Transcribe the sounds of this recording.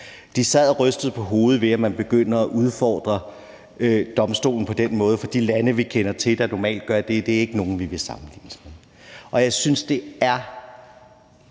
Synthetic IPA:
d̥isɛð̰ˠʁœsd̥ð̩ˠpʰɒ̽ɦo̝ːð̞̩ˠʋe̝æmænb̥e̝ɡ̥øn̰ɐːʔuð̞ˠfɒ̰ːd̥ʁɐ | ød̥ɒ̽msd̥o̝̰ːln̩pʰɒ̽d̥en̰mɔ̽ːð̞ˠəfɒ̽d̥ḭːlænəʋikʰenɐt͡sʰe̝d̥ɑ̈nɒmɛ̰ːld̥ɡ̥ɶɐd̥e̝d̥e̝æɐe̝ɡ̥əno̝ːn̩ʋiʋe̝sɑ̈mn̩lḭːnəsmeðˠ | ʔɒ̽jɑ̈ɪsynsd̥e̝æɐ

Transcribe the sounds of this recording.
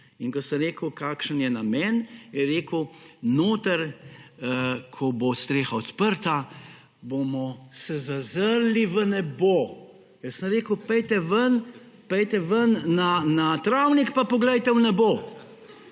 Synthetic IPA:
inkɔsəmɾeːkəwkaːkʃənjɛnamɛnjɛɾeːkənoːt̪əɾ | kʰɔbost̪ɾeːxaɔt̪pəɾt̪a | bomɔsɛzazəɾliʋənɛbo | jəsəmɾeːkəwpɛjt̪ɛʋən | pɛjt̪ɛʋənːanat̪ɾawnikpapɔɡlɛjt̪ɛwnɛboː

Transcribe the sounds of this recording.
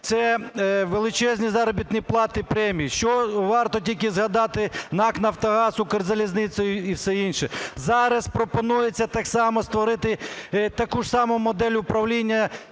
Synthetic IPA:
t̪sɛʋelˠɪt͡ʃɛzʲnʲizɑɾɔbʲit̪nʲiplˠɑt̪ɪpɾɛmʲijiʃt͡ʃɔʋɑrt̪ɔtʲilʲkɪzɦɐd̪ɑt̪ɪnɑknɐwt̪ɔɦɑsʊkɐrzɐlʲiznɪt̪sɔjʊiwsɛinʃɛzɑɾɐspɾɔpɔnujet͡sʲːɐt̪ɑksɑmɔst̪ʋɔɾɪt̪ɪt̪ɐkuʒsɑmʊmɔd̪ɛlʲʊpɾɐwlʲinʲːɐ

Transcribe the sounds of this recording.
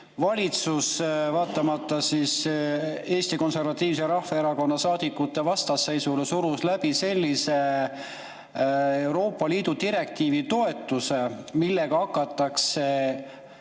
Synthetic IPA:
vɑlʲit̪susvɑːt̪ːˑɑmɑt̪ˑːɑsis | e̞ːst̪iko̞nse̞rvɑt̪ːˑiːvseɾɑhfɑeɾɑko̞nːɑsɑːd̪̥ikːˑut̪ːˑe̞vɑst̪ɑsːe̞jsulesuɾuslæb̥ise̞lʲːise̞ | wɾo̞ːpˑːɑliːd̪̥ud̪iɾe̞kt̪iːvit̪o̞e̞t̪ːˑuse̞milːe̞ɡ̥ɑɑkːˑɑt̪ːˑɑkse̞

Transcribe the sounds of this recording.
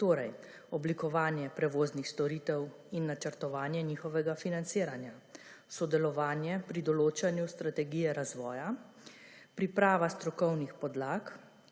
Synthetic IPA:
t̪oːɾɛj | ɔblikɔʋaːnjɛpɾɛʋoːznixst̪ɔɾiːt̪ɛw | inːat͡ʃəɾt̪ɔʋaːnjɛniːxɔʋɛɡafinant̪siːɾanjasɔd̪ɛlɔʋaːnjɛpɾid̪ɔloːt͡ʃanjust̪ɾat̪ɛɡijɛɾazʋɔːja | pɾipɾaːʋast̪ɾɔkɔwnixpɔd̪laːk

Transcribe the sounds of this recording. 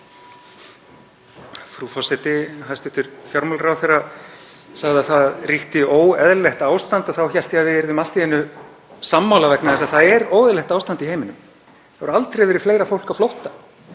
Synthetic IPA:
fɾufɔsɛt̪ɪɦast̪ɪht̪ʏɾ̥fjawɾmœlrawθejrːa | saɣðɪaθaðriht̪ɪoːwɛðlɛht̪aːwst̪ant̪ɔθawçɛl̥t̪ɪavɪɪɾðʏmal̥t̪iɛnːʏ | samːawlavɛknaðɛsaðθaðɛɾoːwðɪlɛht̪awst̪ant̪iheːjmɪnʏm | θavɾalt̪ɾejvɛːɾɪɾ̥fleːjɾafowl̥kawflowht̪ḁ

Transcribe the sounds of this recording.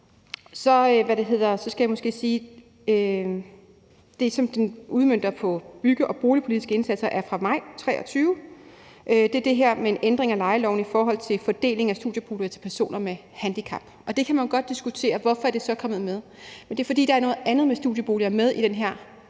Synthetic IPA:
sɒ̽øʋæɾ̥e̝ɦe̝ð̞̰ˠɐsɒ̽sɡ̥æjämo̽sɡ̥e̝̰ːsiː | ø | d̥e̝sɒ̽md̥enʔuð̞ˠmøn̰d̥ɐpʰɒ̽b̥yɡ̥əʔɒ̽b̥o̝ːlipʰo̝lid̥isɡ̥əe̝nsæd̥sɐʔæɐfʁɑ̈mɑ̈ɪ̰t͡sʰʁɛ̰ːʔɒt͡sʰyːʊ | ʔød̥e̝ɐd̥e̝ɦeɐ̰mee̝nʔend̥ʁe̝ŋælɑ̈ɪəlɒ̰ʊn̩ifɒːɦɒ̽l̰t͡sʰe̝lfɒ̽d̥e̝̰ːle̝ŋæsd̥ṵðˠjəb̥o̝ːliɐt͡sʰe̝̥pʰæɐso̝̰ːnɐme | hænd̥ikʰɑ̈b̥ɒ̽d̥e̝kʰæmænjo̝ɡ̥ɒ̽d̥̚ːisɡ̥ut͡sʰe̝̰ːɐʋɒfɒ̽æɐd̥e̝sɒ̽kʰɒ̽mð̞̩ˠmeð̞ˠ | mend̥e̝ɐfɒ̽d̥ḭːd̥ɑ̈æɐno̽ːð̩ˠʔænð̞̩ˠmesd̥uðˠjəb̥o̝̰ːliɐmeðˠid̥enɦæɐ̰

